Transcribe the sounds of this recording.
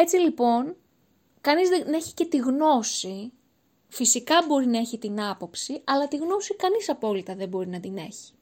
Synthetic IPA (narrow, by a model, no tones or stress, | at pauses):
e̞t͡silipo̞n | kɐnizðene̞çi̥ce̞t̪iɣno̞si | fisikɐbo̞ɾinɐe̞çit̪inɐpo̞psiɐlɐt̪iɣno̞sikɐnisɐpo̞lit̪ɐðe̞bo̞ɾinɐd̪ine̞̰çi̥